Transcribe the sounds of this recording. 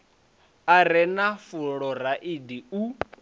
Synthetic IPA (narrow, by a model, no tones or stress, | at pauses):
aɾɛnafuɺɔɾaʔidiu